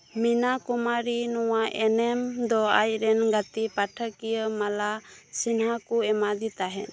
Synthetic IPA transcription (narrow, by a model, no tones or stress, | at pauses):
minakumaɾinɔwaʔɛnɛmd̪ɔa̰jɾɛnɡat̪ipaʈʰəkijəmalasinɦakuɛmad̪it̪aɦɛ̰n